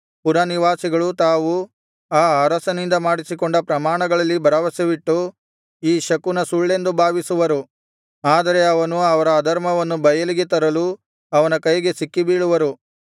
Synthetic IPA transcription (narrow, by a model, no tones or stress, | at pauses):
puɾaniʋaːsiɡɐɭut̪aːʋu | aːɐɾɐsɐnind̪ɐmaːɽisiko̞ɳɖɐpɾɐmaːɳɐɡɐɭɐlːibʱɐɾɐʋɐsɐʋiʈːu | iːʃɐkunɐsuɭːe̞nd̪ubʱaːʋisuʋɐɾu | aːd̪ɐɾe̞ɐʋɐnuɐʋɐɾɐːd̪ɐɾmɐʋɐnːubɐjɐliɡe̞t̪ɐɾɐlu | ɐʋɐnɐkɐjɡe̞sikːibiːɭuʋɐɾu